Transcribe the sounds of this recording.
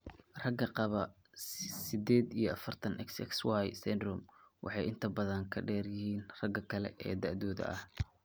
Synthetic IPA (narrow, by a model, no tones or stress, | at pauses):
rɐɡɐqɑβɐ | sɪd̪ɛːd̪ijɞʔɐfɐrt̪ʰɐnʔɛksɛ̰kswɑjsɛnd̪rʊmwʔɑ̰ħɑjɪnt̪ʰɐbɐðɐŋkʰɐɖɛːrjɪhiːnrɐɡɐkʰɐlɛ̰ʔɛ̰ːd̪aʕðɔːðɐ̰ʔɐh